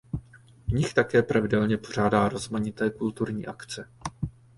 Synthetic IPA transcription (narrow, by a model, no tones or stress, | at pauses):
vɲɪxt̪akɛːpɾavɪdɛlɲɛpo̞r̝aːdaːɾo̞zmaɲɪt̪ɛːkult̪uɾɲḭːʔakt͡sɛ